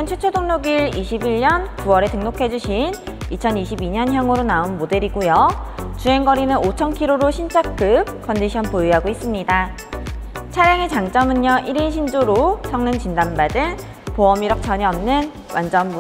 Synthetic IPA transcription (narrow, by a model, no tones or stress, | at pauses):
ɯnt͡ɕʰwet͡ɕʰodoŋnoɡiɾiɕʰibiɭɲʌnkuwʌɾe̞teŋnokʰe̞d͡ʑuɕʰinit͡ɕʰʌniɕ̬ʰibiɲʌnçjʌŋɯɾonaonmode̞ɾiɡujʌt͡ɕue̞ŋɡʌɾinɯnot͡ɕʰʌnkʰiɾoɾoɕʰint͡ɕʰak͈ɯp̚k͈ʌnd͡ʑiɕʰʌnpoiɦaɡois͈ɯmɲida | t͡ɕʰaɾjaŋet͡ɕaŋt͡ɕ͈ʌmɯɲːʌʔiɾinɕ̬ʰind͡ʑoɾosʰʌŋnɯŋt͡ɕindanbadɯn | poʌmiɾʌk̚t͡ɕ͈ʰʌɲiʌmnɯn | wand͡ʑʌnbu